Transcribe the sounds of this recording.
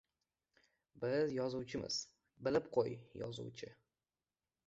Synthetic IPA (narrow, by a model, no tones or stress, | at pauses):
bɪzjɒzʊwt͡ʃʰɪmɪ̰z̥ | bɪlɪp̚qʰojjɒ̰zʊ̰wt͡ʃʰɪ